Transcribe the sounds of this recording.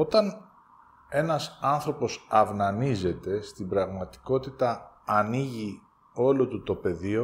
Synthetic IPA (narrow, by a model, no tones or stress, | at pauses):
o̞t̪ɐn | e̞nɐsɐnθɾo̞po̞sɐvnɐnize̞t̪e̞st̪imbɾɐɣmɐt̪i̥ko̞t̪it̪ɐː | niʝi | o̞lo̞t̪ut̪o̞pe̞ðio̞